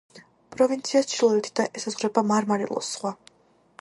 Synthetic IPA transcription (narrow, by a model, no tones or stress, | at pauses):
pʼɾɔvint̪sʰiast͡ʃʰilˠɔɛt̪ʰi̥d̪aʔɛsazʁɾɛbamaɾmaɾḭlˠɔ̰sːχwa